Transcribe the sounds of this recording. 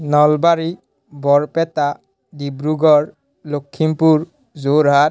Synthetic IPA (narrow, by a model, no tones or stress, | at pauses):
nɔlbaɾi | bɔɹpɛta | dibɾuɡɔɹ | lokʰːimpuɹ | zoɾɦat